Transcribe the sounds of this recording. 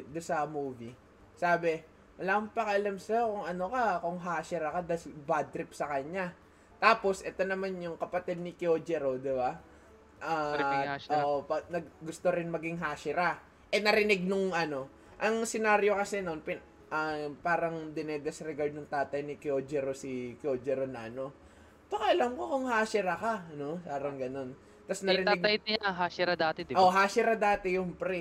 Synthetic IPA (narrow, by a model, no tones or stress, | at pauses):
d̪ʊnsɐmuːvi | saːbɛ | wɐlaʔɐŋpɐkɐʔɐlamsɐjokʊŋʔɐno̞kɐkoŋɦaːsɪɾɐkɐd̪asbaːd̪ɾɪp̚sɐkɐɲːa | t̪aːpo̞sʔɛt̪o̞nɐmanjʊŋkɐpɐt̪ɛd̪̚nɪkjoːd͡ʒɛɾod̪ɪba | ʔa | ʔoːʔopɐnɐɡɡʊst̪oɾɪnmɐɡɪŋɦaːʃɪɾa | ʔɛnɐɾɪnɪɡ̚nʊŋʔɐno̞ | ʔɐŋsɪnaːɾjo̞kɐsɛno̞npɪn | ʔɐpaːɾɐŋd̪ɪnɛd̪ɛsɾɛɡaɹd̪nɐŋt̪aːt̪ɐjnɪkjod͡ʒɛɾosikjoːd͡ʒɛɾonɐʔɐno̞ | t̪okɐʔɐlɐmkokʊŋhaːsɪɾɐkɐno̞saːɾɐŋɡɐno̞n | t̪ɐsnɐɾɪnɪɡ̪̚ɐj̪ɐɦaːʃɪɾɐd̪aːt̪ɛd̪ʔoɦaːsɪɾɐd̪aːt̪ɛjʊŋpɾɛ